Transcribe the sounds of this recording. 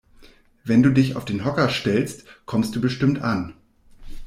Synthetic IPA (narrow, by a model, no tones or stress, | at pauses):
vɛnduːdɪça̰ʊfd̥eːnɦɔkɐʃtɛlstkʰɔmst̚d̥uːbəʃtɪmtʔan